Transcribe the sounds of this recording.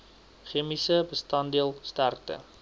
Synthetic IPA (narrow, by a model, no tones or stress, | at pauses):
χimisəbəstɐndiəlˠstærtə̰